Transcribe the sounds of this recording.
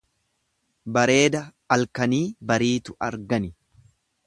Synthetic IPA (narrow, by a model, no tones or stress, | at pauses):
bɐɾe̞ːd̪ɐ | ɐlkɐniːbɐɾiːt̪ʊʔɐɾɡɐnɪ